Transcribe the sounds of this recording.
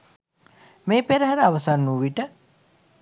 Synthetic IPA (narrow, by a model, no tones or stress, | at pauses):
meːpeɾəɦaɾəaʋɐsanːuʋiʈə